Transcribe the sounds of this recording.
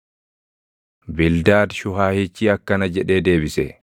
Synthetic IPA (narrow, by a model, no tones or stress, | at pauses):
bɪld̪aːd̪ʃʊɦaːhiːt͡ʃːiːɐkːɐnɐd͡ʒɛᶑe̞ːd̪e̞ːbɪsɛ̰